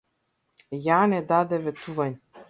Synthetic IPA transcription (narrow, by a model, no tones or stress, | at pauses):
jaːnɛd̪ad̪ɛvɛt̪ʰuvanʲ